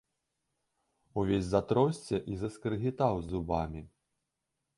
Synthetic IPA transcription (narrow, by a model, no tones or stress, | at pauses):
uvʲesʲzat̪ɾɔsʲt͡sʲɛʔizɐskɾɨɣʲit̪awzubamʲi